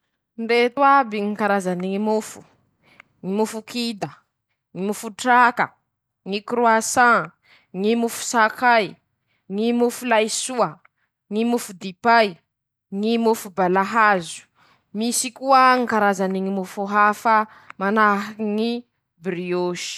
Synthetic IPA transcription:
nɖ͡ʐet̪wabiŋikaɾazaniŋimufu̥ | ŋimufukid̪ə | ŋimufuʈ͡ʂakə̰ | ŋikɾuasã | ŋimufu̥sakaj | ŋimufulajsuə | ŋimufud̪ipaj | ŋimufubalaɦazu̥ | misikuaŋikaɾazaniŋimufuɦafə | manaɦŋi | bɾioʃi̥

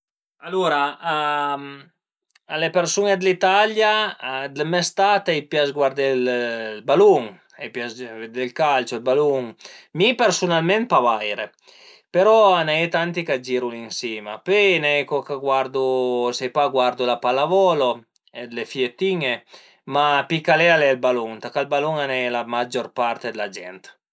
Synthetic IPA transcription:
aluːɾaam | alepersuned̪lit̪aljad̪emɛst̪at̪ɛjpjasɡwaɾd̪ɛllbaluŋ | ɛjpjasvd̪elkalt͡ʃolbaluŋmipersunalmɛnt̪̚pavajɾe | peɾɔanɛjt̪ant̪ikad͡ʒiɾulinsjɛːmapenɛjkokaɡward̪usɛjpaɡward̪ulapalavɔːlo | ed̪lefiet̪ːiŋe | mapikalɛalɛlbaluŋt̪akalbaluŋanɛjlamad͡ʒorpart̪ed̪elad͡ʒɛ̰nt̪

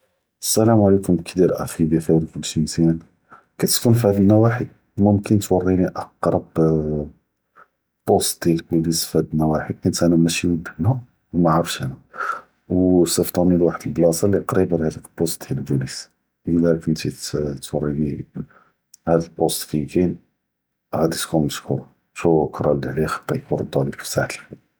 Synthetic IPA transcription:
əsːælæmʕlikʊmkd̪iɾʔæ̰fibjæfiwɾfʊlːʃint̪æn | kæt̪əkunfhæd̪əlnæwaħi | mʊmkənt̪wɑrˤːiniʔɑqɾˤɑb | b̥ost̪̚d̪jælbulisfhæd̪lnæwaħikʊnt̪hænæmæʃiwəd̪əhnæ | wmaʕɾˤɑfʃænæ | wsəft̪ˤɑnilwaħəd̪əlblɑsˤɑliqɾibəɾhæd̪əklbost̪̚d̪jlbulis | ʔəlːækənt̪it̪wɑrˤːini | hæd̪əlbost̪fikin | ɣæd̪it̪kumnəʃkuɾˤ | ʃukɾˤɑlʕlixɑ̥t̪ːˤɑkuɾˤd̪ˤɑlifsaħl

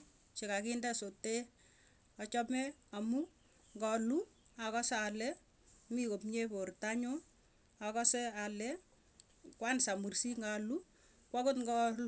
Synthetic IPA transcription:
t͡ʃekakindɛsote | ɔt͡ʃɔmɛamu | ŋɡɔlu | akɔsalɛ | mikopɲeportaɲo | akɔsɛalɛ | kwansamursiŋɡalu | kwakotŋɡɔlu

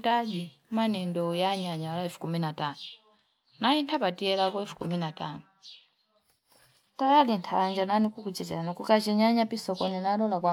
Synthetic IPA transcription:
taɗi | manɛndɔjaɲaɲaalaɛfu̥kuminatanɔ | naintʰapatiɛlakɔɛfu̥kuminatanɔ | tajalintʰand͡ʒananikukut͡ʃɛtɛlanɔkukat͡ʃɛɲaɲapisɔkɔninaɗɔlakwa

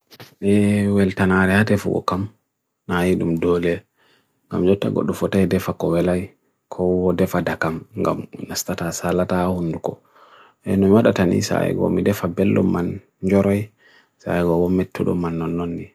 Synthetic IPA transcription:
ʔɛwɛltanaɾɛhatɛfṵɡɔ̰kam | najiɗumdɔlɛ | ŋɡa̰md͡ʒɔtːa̰ɡɔ̰ɗːɔfɔtajdɛfakɔwɛlaj | kʰɔwɔdɛfadakamŋɡa̰mnastatasalatahundukɔ̰ | ʔɛnɔmiwaɗatanḭsa̰ɛ̰ɡɔ̰midɛfabɛlːɔ̰mːan | d͡ʒɔɾaj | sa̰ɛɡɔwɔmetʰːuɗɔ̰mːanːɔnːɔndi

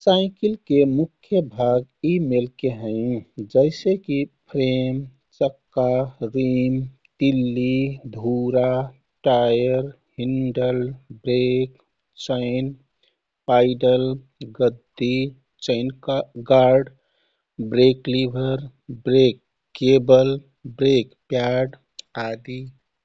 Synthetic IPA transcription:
saɪkilkemukʰjəbʱaɡimelkeɦə̃ɪd͡ʒəɪsekipʰɾem | t͡ʃəkːaɾim | t̪ilːid̪ʱuɾa | ʈajəɾ | hinɖəlbɾek | t͡ʃəɪn | paɪɖəl | ɡəd̪ːi | t͡ʃəɪnɡaɾɖ | bɾeklibʱəɾ | bɾekː | ebəl | bɾekpjaɖ | ad̪i

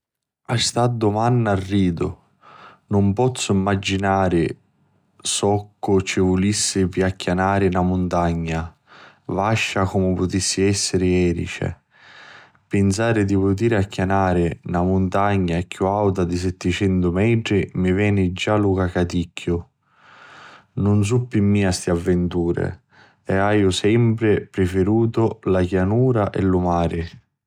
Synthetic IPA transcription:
ast̪ad̪ːʊmanːarːiːd̪ʊ | nʊmpɔt̪sːʊimːad͡ʒːinaːɾɪ | sɔkːʊt͡ʃɪvʊlisːɪpiakːjanaːɾɪnamʊnt̪aɲːa | vaʃːakʊmɪpʊt̪isːɪɛsːɪɾɪɛːɾḭt͡ʃɛ̰ | pɪns̬aːɾɪd̪ipʊt̪̬iːɾakːjanaːɾɪnamʊnt̪aɲːakjuawt̪ad̪is̬ɛt̪ːɪt͡ʃɛnt̪ʊmɛʈ̪ɾimivɛːnid͡ʒalukakat̪icʰːjʊ | nʊns̬upːimːiːast̪iavːɪnt̪uːɾɪ̰ | ɛaːjʊsɛmpɾɪpɾɪfeɾuːt̪ʊlakjanuːɾaʔɛlʊmaːɾɪ

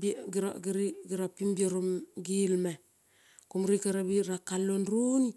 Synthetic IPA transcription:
bɡiɾaɡiɾiɡiɾapimbiaɾomɡilma | kumɾikaɾabiɾakalonɾuni

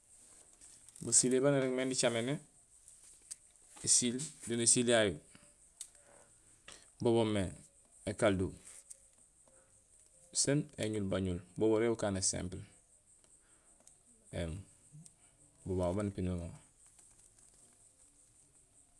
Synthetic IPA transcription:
basilebaneɾeŋmeːndit͡ʃamene | esildonesilaju | boβome | ekaldu | senḛɲulbaɲulboboɾebukaːnesḛ̃mpl | en | bobawobanipinumo

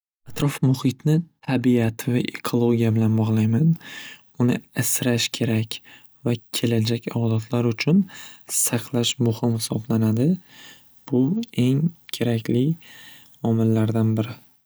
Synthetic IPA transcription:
at̪ɾɒfmʊhɪt̪nɪt̪ʰabiat̪ʰɪvaʔekʰolˠoɡʲijabɪlanbɒʁlˠajman | ʊnɪasɾaʃkʲʰe̞ɾakʲ | vakʲʰe̞lad͡ʒakʲʰad̪at̪ʰlaɾʊt͡ʃʰʊnsɑqʰlˠaʃmʊhɪmhɪsɒblanad̪ɪ | b̥ʊe̞ŋkʲʰe̞ɾakʲʰlɪ | ɒmɪlːaɾd̪anbɪɾɪ

